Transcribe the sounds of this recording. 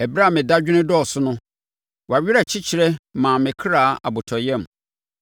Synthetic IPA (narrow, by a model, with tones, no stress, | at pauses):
ɛ˨bɾa˦˨mɪ̃˨da˦d͡ʑᶣɪ˦nɪ̃˦dɔ˦˨sʊ˦nʊ̃˦ | wa˨ɥᶣɪ˦a˨t͡ɕʰi˦t͡ɕʰɪ˨ɾɛ˦mã˨mɪ̃˨kʰɾaː˦˨˦a̰˨bʊ˨tʰɔ˨jɛ̃˦m˨